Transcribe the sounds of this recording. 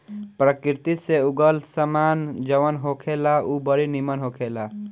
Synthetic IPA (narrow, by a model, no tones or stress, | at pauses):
pɾəkiɾt̪iseuɡəlsəmand͡ʒəʋənɦokʰelaubəɾinimənɦokʰela